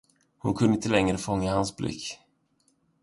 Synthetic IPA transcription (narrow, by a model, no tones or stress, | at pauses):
hʊnkʰɵnɪnt̪əlɛŋɾəfɔŋːahansblɪ̰kː